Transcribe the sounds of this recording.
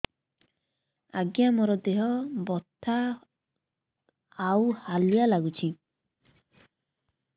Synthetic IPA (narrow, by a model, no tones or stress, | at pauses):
aɡjamɔɾɔd̪eɦɔbɔt̪ʰːa | whalijalaɡut͡ʃʰi